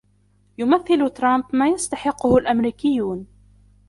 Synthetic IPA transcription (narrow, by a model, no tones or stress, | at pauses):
jʊmaθːɪlʊt̪ɾˤɑmpmaːjast̪aħɪqːʊhʊlʔamɾiːkɪjːuːn